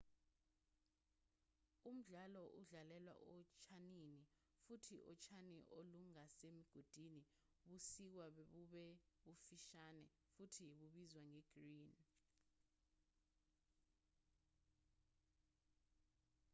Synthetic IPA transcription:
um̩ɮalɔʔuɮalɛlwa̰ʔɔt͡ʃʰanini | futʰiʔɔt͡ʃʰaniʔoluŋasemiɡ̥ʱod̥ʱini | ɓusik̬wauɓɛɓufiʃanɛ̰ | futʰiɓuɓizwaŋɛɡ̥riːn

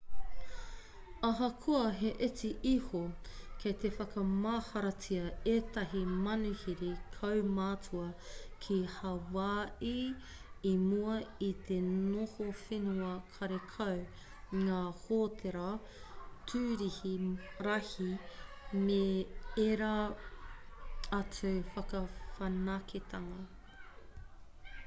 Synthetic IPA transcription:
ɐɦɐkʰuɐɦeʔet͡siʔihokʰejt̪efɐkɐmaːhɐɾɐt͡siɐeːt̪ɐɦimɐnuhiɾikʰɐwmaːt͡sʰuɐkʰihɐwaːʔi | imuɐit̪ʰenohofenuɐkʰɐɾekʰɐw | ŋaːhoːtʰeɾɐ | tʰʉːɾihiɾɐhi | meeɾa | ɐt͡sufɐkɐfɐnɐkʰet̪ʰɐŋɐ

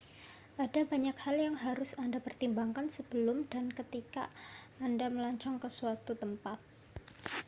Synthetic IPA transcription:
ʔadabaɲakhaljaŋɦaɾʊsandapərt̪imbaŋkansəb̥əlʊmdankət̪ika̰ː | ndaməlaɲt͡ʃɔŋkəsuat̪ut̪əmpat̪̚

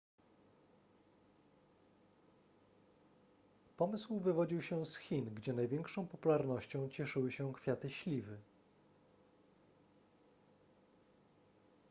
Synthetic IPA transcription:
pɔmɘswvɘvɔd͡ʑiwɕɛsxʲinɡd͡ʑɛnajvʲjɛŋkʂɔ̃w̃pɔpulaɾnɔɕt͡ɕɔ̃w̃t͡ɕɛʂɘwɘɕɛkfʲjat̪ɘɕlʲivɘ

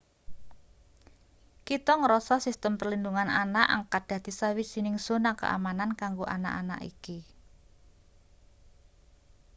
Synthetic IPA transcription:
kit̪ɔŋəɾɔsɔsist̪əmpərlinduŋanʔanaʔə̰ŋkad̥ä̤d̪̥i̤sawi̥z̥i̤nɪŋz̥o̤nakə̰ʔa̰manankaŋɡoʔa̰na̰ʔana̰ʔḭki

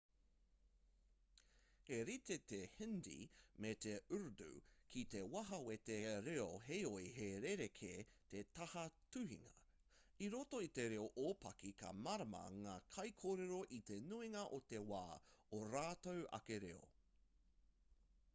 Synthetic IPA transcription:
eɾit̪et̪ehɪndḭmet̪eʉɾdṵkʰit̪ewɐɦɐwet̪eɾeoɦejoiɦeɾeɾekʰet̪et̪ɐhɐtʉhḭŋɐ̰ | iɾoto̞it̪e̞ɾeoʔoːpɐkikʰɐ̰mɐɾɐmɐ̰ŋaːkʰɐjkʰoːɾeɾo̞ʔit̪e̞nuiŋɐʔot̪e̞wa̰ːoɾaːtowʔɐ̰keɾḛo̰

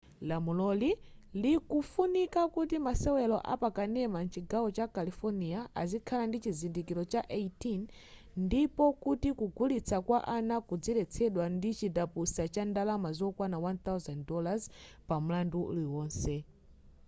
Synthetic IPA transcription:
lamulɔlilikufunikakutimasɛwɛlɔʔa̰pakanɛmant͡ʃiɡawɔt͡ʃakalifɔniaʔazikʰalandit͡ʃizindikiɾɔt͡ʃaʔeitinː | dipɔkutikuɡulit͡sʰakwaʔanakud͡zilɛt͡sʰɛɗwandit͡ʃidapusat͡ʃandalamazɔkwanawant̪awzanddɔlaz | pam̩landuṵliwɔːnsɛ

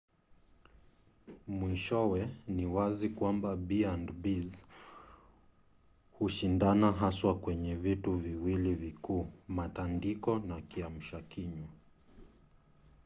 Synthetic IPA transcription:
mwiʃɔwɛniwazikwambabiandbiz | huʃindanaɦaswakwɛɲɛvituviwilivikuːmatandikɔnakiam̩ʃakiɲa

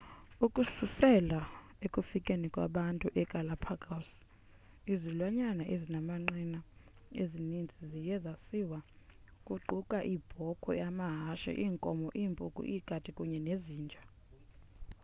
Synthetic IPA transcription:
ukʼususɛla | ekʼufikʼenikʼwaɓantʼuʔɛkʼalapʰakʼas | izilwaɲanaʔezinamaŋ͡ǃina | ezinind͡zʱizijɛzasiwa | kʼuǃukʼaʔib̥ʱɔkʰɔ̰jamaɦaʃɛ̰ʔiːŋkʼɔmɔʔiːmpʼukʼṵʔikʼadʼʱikʼuɲɛneziːnd͡ʒʱa

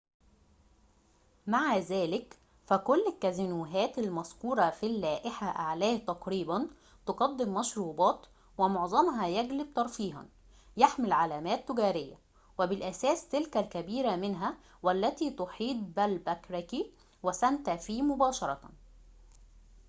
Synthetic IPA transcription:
maʕazæːlɪk | fækʊlːɪkːæzɪnuːɦæːt̪ælmɑzkuːɾˤɑfilːæːʔɪħaʔaʕlæːht̪ɑqɾiːbæn | t̪oqɑd̪ːɪmːɑʃɾuːbɑːt̪ | wɪmoʕzˤɑmɦɑjæɡlɪb̚t̪ɑɾˤfiːɦɑ̰n | jaħmɪlʕalæːmæːt̪ːʊɡæːɾɪjːæ̰ | wɪbɪlʔæsæːst̪ɪlkælkæbiːɾæmɪnɦæ | wælːæt̪iːt̪oħiːd̪̚bælbækɾæki | wæsænt̪æfiːmʊbɑːʃɑɾˤɑ

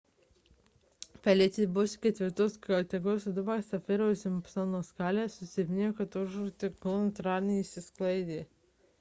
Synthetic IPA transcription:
pʲælʲet̪ʲɪbʊsʲkʲɛt̪ʲʋʲɪɾt̪oːskɐt̪ʲɛɡoːsʲd̪ʊbɑsɐfʲɪɾoːsʲɪmpsɐnoːskɑːlʲeːsʊsʲɪmʲɪnʲeːjoːkɐt̪ʊʒuːt̪ʲɪɡnt̪ɾɑːɾʲnʲɛisʲɪsklˠɐɪd̪ʲeː

